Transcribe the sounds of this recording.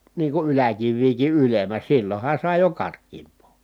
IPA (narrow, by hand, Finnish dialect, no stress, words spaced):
niː ku ylækiʋːiːki ʔylemˑæ silːohɑ sɑˑi jo kɑrkˑiːmpˑoː